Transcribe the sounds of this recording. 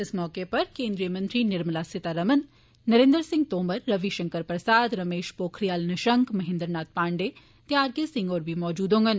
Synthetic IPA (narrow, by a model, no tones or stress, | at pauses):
ɪsmɔːkepɐɾkẽːnd̪ɾijəmɐ̃nt̪ɾinɪɾməlasɪt̪aɾɐmɐnː | ɐɾẽːnd̪əɾsɪ̃ŋɡ̚t̪oːməɾːɐʋiʃɐ̃ŋkəɾpɾɐsaːd̪ɾɐmeːʃpoːkʰɾijaːlnɐʃɐŋkmɐɦɪ̃nd̪əɾnaːt̪̚paːɳɖe | t̪jaːɾɡesɪ̃ŋɡoːɾbʱimɔːd͡ʒuːd̪ɦõːŋɡən